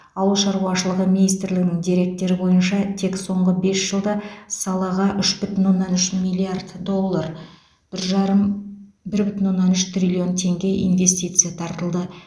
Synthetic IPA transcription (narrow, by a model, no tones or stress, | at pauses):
ɑwəlˠʃɑɾuɑʃəlˠəʁəminijst̪ɪɾlɪɡɪnɪŋd̪iɾe̞k̚t̪ːe̞ɾɪbo̞jənʃɑt̪ʰe̞kso̞ɴʁəbe̞sʒ̥əlˠd̪əsɑlˠɑʁɑʔʏʃbʏt̪ʲɪnwo̞nːɑnʏʃmilʲˠiard̪d̪o̞lˠːar | b̥ɪɾʒɑɾəm | bɪɾbʏt̪ɪnwo̞nːɑnʏʃt̪rʲilʲio̞nt̪ʰe̞ŋɡʲe̞ʔḭnve̞st̪ijt̪sɨjat̪ʰɑɾt̪əlˠd̪ə